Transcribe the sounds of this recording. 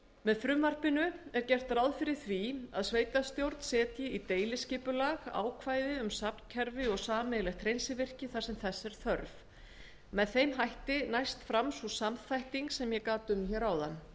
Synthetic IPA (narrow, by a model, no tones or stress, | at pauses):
mɛðfɾʏmvar̥pɪnʏɛɾcɛr̥t̪rawðfɪɾɪɾ̥θvia̰ðsveːjt̪ast̪jowɾt̪n̥sɛːt̪jɪit̪eːjlɪscɪːpʏlaːɣa̰ːwkʰvaːjðɪʏmsapn̥cʰɛɾvɪɔɣsaːmɛlɛxt̪ʰɾejnsɪvɪr̥cɪθaɾ̥sɛmθɛsːɛɾ̥θœɾv | mɛðθejmɦajht̪ɪnajst̪fɾamsusamθajht̪iŋksɛmjɛkaːt̪ʏmçɛːɾawðanː